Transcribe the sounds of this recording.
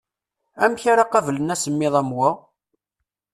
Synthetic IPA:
æmçaɾaqɑvlənæsəmːɪðˤæmwa

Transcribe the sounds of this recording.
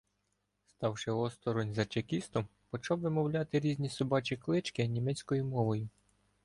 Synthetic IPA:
st̪ɑwʃɪɔst̪ɔɾɔnʲzɐt͡ʃekʲist̪ɔmpɔt͡ʃɑwʋɪmɔwlʲɑt̪ɪɾʲizʲnʲisɔbɑt͡ʃiklˠɪt͡ʃkɪnʲimɛt͡sʲkɔjʊmɔʋɔjʊ

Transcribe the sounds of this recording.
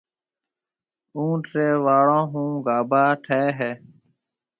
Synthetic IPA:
ũːʈɾeːʋaːɭõːɦũːɡaːbaːʈʰeːɦeː

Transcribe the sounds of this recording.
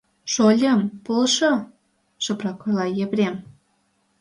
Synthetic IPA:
ʃolʲə̆mpolʃo | ʃɤ̆prɑkolɑjĕβɾʲem

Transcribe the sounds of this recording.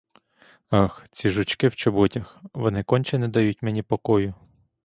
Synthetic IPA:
ɑxt͡sʲiʒʊt͡ʃkɪwt͡ʃɔbɔtʲɐxʋɔnɪkɔnʲt͡ʃɛnɛd̪ɐjutʲmenʲipɔkɔjʊ

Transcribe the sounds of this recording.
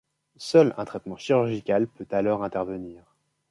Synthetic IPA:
sœlɛ̃t̪χɛt̪mɑ̃ʃiʁyʁʒikalpøt̪alɔʁɛ̃t̪ɛʁvəniːʁ

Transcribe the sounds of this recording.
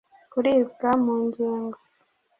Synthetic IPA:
kuɾiːbɡamuːɲɟiːŋɡo

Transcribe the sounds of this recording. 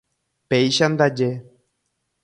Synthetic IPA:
pejʃand̪ad͡ʒe

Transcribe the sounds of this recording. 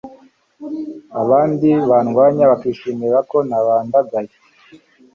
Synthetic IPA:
aβaːndiβanɡwaːɲaβakiːʃiːmiɾako̞naβaːndaɡaje

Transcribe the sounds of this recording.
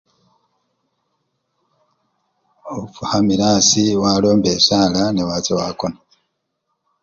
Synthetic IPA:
oβufuhamiɾaːsiwaːlo̞ːmbeːsaːlanewaːt͡sewa̰kona

